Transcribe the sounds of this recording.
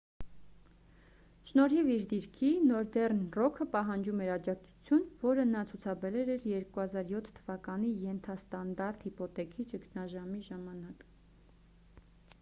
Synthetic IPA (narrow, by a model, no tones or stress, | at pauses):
ʃnɔɾhiviɾd̪iɾkʰinɔɾd̪ɛrnrɔkʰəpɑɦɑnd͡ʒumɛɾɑd͡ʒɑk̚t͡sʰu̥t͡sʰjunvɔɾənɑt͡sʰut͡sʰɑbɛɾɛɾɛɾjɛɾkuhɑzɑɾjɔt̪ʰt̪ʰːəvɑkɑnijɛnt̪ʰɑst̪ɑnd̪ɑɾt̪hipɔt̪ɛkʰit͡ʃəkʰnɑʒɑmiʒɑmɑnɑk